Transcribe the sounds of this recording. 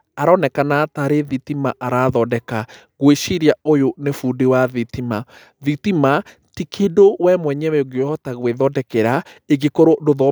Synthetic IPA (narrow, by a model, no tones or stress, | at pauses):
aɾanɛkanataɾeðitimaʔaɾaðɔdɛka | ɣweʃiɾiaojonefuːdewaðitima | ðitima | tikʰedowɛmwɛɲɛwɛoɣeɔtaɣweðɔdɛkɛɾaeɣekoɾodoðɔ